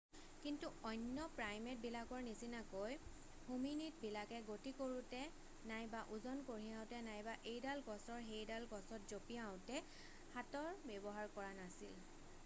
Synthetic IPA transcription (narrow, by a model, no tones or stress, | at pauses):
kintuɔjnːɔpɹajmet̚bilakɔɹnisinakoj | huminit̚bilakɛɡotikoɹutɛ | najbaʔuzɔnkoɹiaʊ̃tɛnajbaʔejdalɡɔsɔɹɦejdalɡɔsɔtzopiaʊ̃tɛ | hatɔɹbɛbɔɦaɹkɔɹanasil